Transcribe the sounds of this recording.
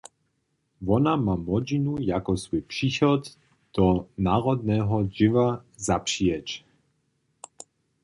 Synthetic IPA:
vɔnamamɔd͡ʑinujakɔsvupʂixɔd̪ | d̪̥ɔnaʁɔd̪nɛɦɔd͡ʑɪvazapʂiɛt͡ɕ

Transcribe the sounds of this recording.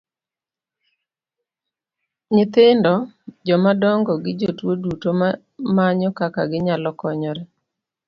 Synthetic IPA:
ɲɪt̪ɪndɔd͡ʒɔmadɔŋɡɔɡɪd͡ʒotwodutom | maɲɔkaka̰ɡɪɲalɔkɔɲɔɾe

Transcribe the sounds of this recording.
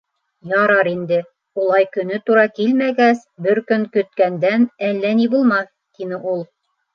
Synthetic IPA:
jɑɾɑɾind̪ɘ | ulˠɑjkɵ̆nɵt̪uɾɑkilmæɡæsbɘɾkɵŋkɵ̆t̪̚kænd̪ænælːænibulˠmɑθ | t̪inɘʔulˠ

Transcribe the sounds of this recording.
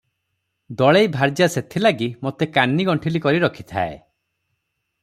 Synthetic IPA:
d̪ɔɭejbʱaɾd͡ʒaset̪ʰilaɡimot̪ekanːiɡɔɳʈʰilikɔɾiɾɔkʰi̥t̪ʰa̰e

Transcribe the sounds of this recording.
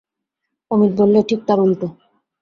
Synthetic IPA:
omit̪̚bolːeʈʰik̚t̪aɾulʈo

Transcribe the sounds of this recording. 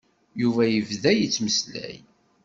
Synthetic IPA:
juvæjəvðæjət͡sːməslæ̰j

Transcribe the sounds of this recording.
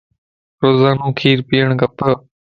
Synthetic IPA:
ɾoːzaːnũːkʰiːɾpiːəɳkəpə

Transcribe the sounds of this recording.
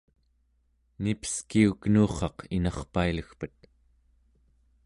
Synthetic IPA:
nipə̥skiuknuːχɑqʰinɑχpailəxpət̪̚

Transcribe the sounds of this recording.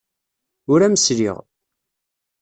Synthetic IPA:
ʊɾæməsɾḭʁ

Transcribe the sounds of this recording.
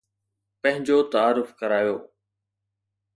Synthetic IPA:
pɐ̃ɦɪ̃ɲd͡ʑoːt̪ɐaːɾʊfkɐɾaːjoː

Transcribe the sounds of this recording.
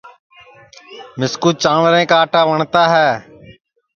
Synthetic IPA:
mɪskuːt͡ʃãːʋɾẽːkaːʈaːʋəɳt̪aːɦɛː

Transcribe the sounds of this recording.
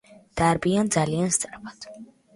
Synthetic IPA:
d̪̥aɾbiand̪zalianst̪sʼaɾpʰad̪̥

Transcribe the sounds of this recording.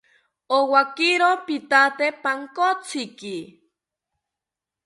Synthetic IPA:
owakiɾopit̪at̪epaŋkot͡siki

